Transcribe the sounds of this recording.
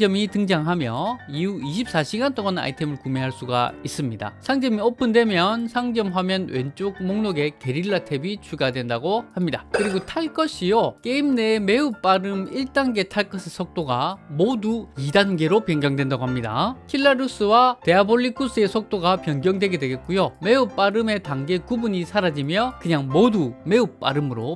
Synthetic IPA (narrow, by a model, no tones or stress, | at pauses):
d͡ʑʌmitɯŋd͡ʑaŋɦamjʌiuiɕʰip̚s͈aɕʰiɡant͈oŋana̰itʰe̞mɯɭkumeɦaɭs͈uɡa̰is͈ɯmɲida̰sʰaŋd͡ʑʌmiʌp͈ʰɯndwe̞mjʌnsʰaŋd͡ʑʌmɦamjʌnwe̞nt͡ɕ͈oɡ̚moŋnoɡe̞ke̞ɾiɭːatʰe̞bit͡ɕuɡadwe̞ndaɡohamɲidakɯɾiɡotʰaɭk͈ʌɕʰijok͈e̞imne̞me̞up͈aɾɯmiɭt͈aŋɡe̞tʰaɭk͈ʌsʰesʰʌk̚t͈oɡamoduidanɡe̞ɾopjʌŋɡjʌŋdwe̞ndaɡoɦamɲida̰kʰiɭːaɾus͈ɯwate̞aboʎːikʰus͈ɯe̞sʰʌk̚t͈oɡapjʌnɡjʌŋdwe̞ɡe̞dweɡe̞t̚k͈ujome̞up͈aɾɯme̞taŋɡe̞kubuɲisʰaɾad͡ʑimjʌkɯɲaŋmodume̞up͈̚a̰ɾɯmɯɾo